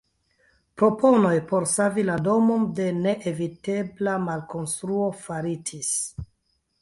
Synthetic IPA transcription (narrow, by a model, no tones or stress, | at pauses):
pɾo̞po̞nojpo̞ɾsavilado̞mo̞nde̞ne̞ʔevite̞blamalko̞nstɾuo̞faɾitis